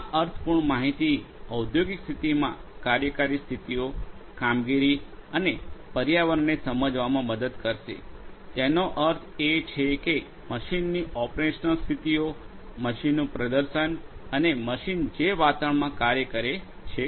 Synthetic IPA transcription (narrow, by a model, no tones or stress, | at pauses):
aʔəɾt̪ʰpuɳmaɦit̪iəwd̪ʱjoɡikst̪ʰit̪imã̰kaɾjəkaɾist̪ʰit̪iokamɡiɾiənepəɾjaʋəɾnesəməd͡ʒʋamãməd̪əd̪kəɾʃḛt̪enoʔəɾt̪ʰet͡ʃʰeke | məʃinːiʔɔpɾeʃnəlst̪ʰit̪io | məʃinːũpɾəd̪əɾʃənəneməʃind͡ʒeʋat̪aəɳmãkaɾjəkəɾe | t͡ʃʰe